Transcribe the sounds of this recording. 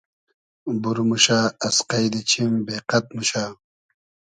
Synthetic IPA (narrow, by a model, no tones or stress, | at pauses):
buɾmuɕaːɐsqajd̪it͡ɕʰimbeːqɐt̪̚muɕaː